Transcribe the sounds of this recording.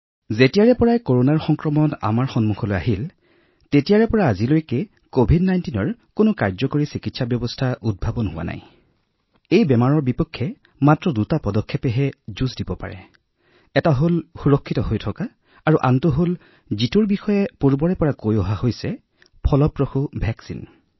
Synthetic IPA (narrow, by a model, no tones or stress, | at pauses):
zetijaɹɛpɔɹajkoɹonaɹxɔŋkɹɔmɔna̰maɹxɔnmuxʰɔloja̰ɦil | tetijaɹɛpɔɹaːzilojke | kobʱidnajntinɔɹkonʊkaɹzɔkoɹisikitsabjɔbɔstʰaʔud̚bʱabɔnɦʊwa̰na̰j | ejbɛmaɹɔɹbipɔkʰːɛ | matɹɔdutapɔdɔkʰːɛpɛɦɛzuzdibɔpa̰ɹɛ̰ | ɛtaɦolxuɹɔkʰːitɔɦojtʰɔkaː | ɹuʔantuɦol | zituɹbixɔjɛpuɹbɔɹɛpɔɹakojɔɦahojsɛ | pʰɔlɔpɹɔxubʱɛksḭn